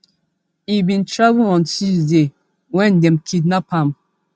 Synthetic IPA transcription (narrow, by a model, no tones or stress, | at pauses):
ibĩntɹavuɔ̃ntisde | wɛ̃ndɛ̃mkʰidnapãm